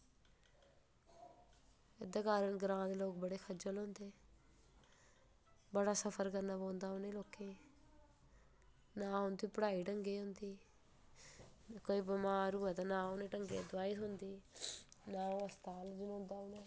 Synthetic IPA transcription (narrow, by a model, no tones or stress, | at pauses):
ed̪akaːɾəɳɡɾãːd̪eloːk̚bəɽeːkʰɐd͡ʒəlõnd̪eː | bəɽaːsəpʰəɾkɐɾnaːbõːnd̪aːʊneːloːkːeː | naːɦʊ̃nd̪iːpɽaːiːʈəŋɡeːɦʊnd̪iː | koibəmaːɾuːat̪anãːuneʈəŋɡeːd̪ʋaːit̪ʊnd̪iː | nãːɐst̪aːld͡ʒunʊ̃nd̪aːʊne